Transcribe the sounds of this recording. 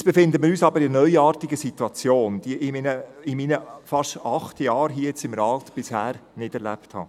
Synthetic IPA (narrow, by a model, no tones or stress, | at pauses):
t͡sb̥efɪnd̪əmɪɾyːsɑbəɾɪənœʏɑːrtiɡəsit̪wɑt͡sjoːnd̥iʔɪminəɪmiːnəfɑʃɑχtjɑːɾɦiəjɛt͡sɪmɾɑːlt̪b̥ɪshæːɾnɪd̥ɛɾlæ̰pthɑ̰ː